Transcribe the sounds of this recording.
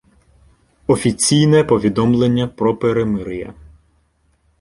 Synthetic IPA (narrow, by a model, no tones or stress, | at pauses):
ɔfʲit͡sʲijnɛpɔʋʲid̪ɔmlˠenʲːɐpɾɔpeɾemɪɾɪjɐ̰